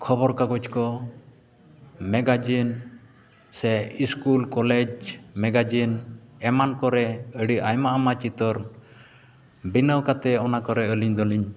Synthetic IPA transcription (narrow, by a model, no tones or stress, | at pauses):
kʰɔbɔɾkaɡɔd͡ʒkɔ | mɛɡad͡ʒin | sɛiskulkɔlɛd͡ʒmɛɡad͡ʒinɛmankɔɾɛəɽiʔajmaʔamat͡ʃit̪ɔɾ | binəwkat̪ɛɔnakɔɾɛəliɲd̪ɔliɲ